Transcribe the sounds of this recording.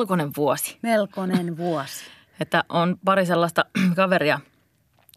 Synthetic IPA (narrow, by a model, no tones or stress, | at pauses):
lkoneʋʋuosi̥melkonenʋuɔsi̥ | et̪ːæʔonpɑɾiselːɑst̪ɑkɑʋeriɑ